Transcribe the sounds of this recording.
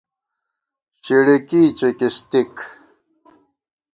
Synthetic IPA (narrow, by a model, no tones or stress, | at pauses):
t͡ɕiɽekiːt͡ɕekist̪ik